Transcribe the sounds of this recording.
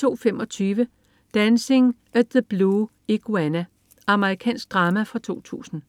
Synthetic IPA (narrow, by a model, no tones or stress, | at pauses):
o̝̰ːfemɒ̽t͡sʰyːʋə | d̥ænse̝ŋʔæðəb̥luː | eɡ̥uænæ | ʔɑ̈məʁikʰɛ̰ːnsɡ̥̚d̥ʁɑ̈ːmæfɒ̽t͡sʰo̝̰ːt͡sʰṵːsn̩